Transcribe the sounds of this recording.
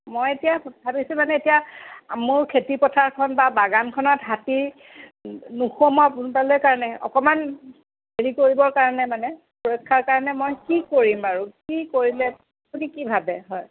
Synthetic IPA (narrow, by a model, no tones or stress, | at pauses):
mojetijabʱabisʊ̃manɛetijaamʊɹkʰetipɔtʰaɹkʰɔnbabaɡankʰɔnɔtɦatiɹ | nuxomɔpunpalojkaɹɔnɛɔ̰kɔman | beɹikoɹibɔɹkaɹɔnɛmanɛ | pɔɹɔkʰːaɹkaɹɔnɛmojkikoɹimaɹukikoɹilɛ | odikibʱabɛɦɔj